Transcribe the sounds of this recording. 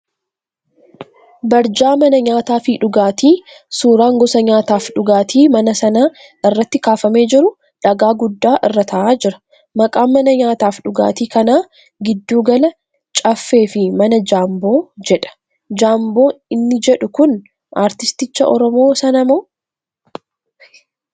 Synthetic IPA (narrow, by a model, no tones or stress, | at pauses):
bɐɾd͡ʒaːmɐnɐɲaːt̪aːfɪᶑʊɡaːt̪iːsuːɾaːŋɡɔsɐɲaːt̪aːfᶑʊɡaːt̪ʰiːmɐnɐsɐnaː | ɪrːɐt̪ːɪkaːfɐme̞ːd͡ʒɪɾʊ | ᶑɐɡaːɡʊd̪ːaːʔɪrːɐt̪ʰɐʔaːd͡ʒɪɾɐ̥ | mɐkʼaːmːɐnɐɲaːt̪aːfᶑʊɡa̰ːt̪iːkɐnaː | ɡɪd̪ːuːɡɐlɐ | t͡ʃʼɐfːe̞ːfɪmɐnɐd͡ʒaːmbo̞ːd͡ʒɛᶑɐ̥ | d͡ʒaːmbo̞ːɪnːɪd͡ʒɛᶑʊkʊn | ʔaːɾt̪ɪst̪ɪt͡ʃːɐʔɔɾɔmo̞ːsɐnɐmoː